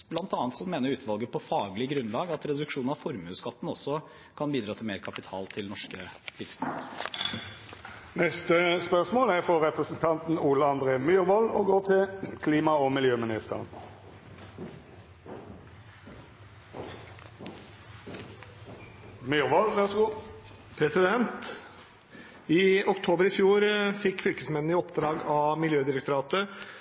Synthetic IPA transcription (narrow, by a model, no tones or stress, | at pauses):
b̥lɑnt̪ɑːnt̪sɔmːeːnəɾʉːt̪ʰʋɑlɡəpʰɔfɑːɡlɪɡɾʉnlɑːɡɑt̪ɾɛd̪ʉkʂuːnɑʋfɔɾmʉːskɑt̪ːn̩ɔsːɔ | kʰɑnbiːd̪ɾɑːt̪ʰɪlmeːɾkʰɑpɪt̪ʰɑ̰ːlt̪ʰɪlnɔʂkəlɪfstɑt̪ə | nɛst̪əspœʁsmoːlæʁfɔʁɛpʁəsn̩t̪ʰɑnt̪n̩uːləɑnd̪ʁeːmyːʁʋɔloːɡoːʁt̪ʰɪlkʰliːmɑomɪljøːmɪnɪst̪ə̰ʁn | myːʁʋɔlʋɛʁsɡːpʰɾɛsɪd̪ɛnt̪ | iːʊkt̪ʰoːbəɾɪfjuːɾfɪkːfʏlkəsmɛnːɪɔpd̪ɾɑːɡɑʋmɪljøːd̪ɪɾəkt̪ʊɾɑːt̪ə